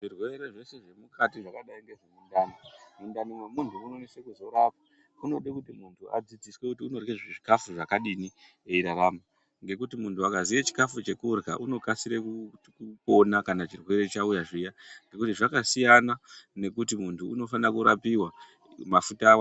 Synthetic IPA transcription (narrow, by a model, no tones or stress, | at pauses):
ʐirwe̞ɾeʐe̞se̞ʐe̞mukatiʐakaɗaiŋɡe̞ʐemundanimundanimwemuntʰumunonesekuzo̞ɾapa | uno̞ɗekutimuntʰua̰d͡zid͡ziswekutiuno̞rkezweʐikafuʐakaɗini | e̞iɾaɾama | ŋɡe̞kutimuntuakazijet͡ʃi̥kafut͡ʃe̞kurka̰ʔuno̞kasiɾekukuko̞nakanat͡ʃirwe̞ɾe̞t͡ʃaujaʐijaŋɡe̞kutiʐakasijanane̞kutimuntuːno̞fanakuɾapiwa | mafutaːwa